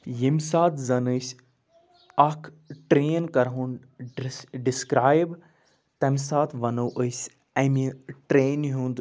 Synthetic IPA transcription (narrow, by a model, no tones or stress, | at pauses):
jimsaːt̪ʰzɐnɨsʲ | ɐkʰ | ʈɾeːnkɐɾɦun | ɖɖiskɾaːjb | t̪ɐmʲsaːt̪ʰʋɐnoːʔəsʲ | ɐmiʈɾeːnɦũnd̪